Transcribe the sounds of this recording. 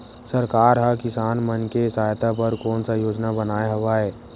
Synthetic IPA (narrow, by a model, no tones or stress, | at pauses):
səɾkaːɾɦəkɪsaːnmənkesaːjt̪apəɾkɔːnsajoːd͡ʒnabənaːeɦɐʋaːɛː